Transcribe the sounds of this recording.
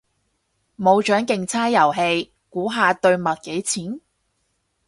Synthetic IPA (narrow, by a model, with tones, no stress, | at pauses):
mo˨˧wt͡ʃœː˨˥ŋkɪ˨ŋt͡sʰaː˥jɐ˨˩wɦe˧j | kuː˨˥ɦaː˨˧t̪ɵ˧ɥmɐ˨t̚ke˨˥jt͡sʰiː˨˥n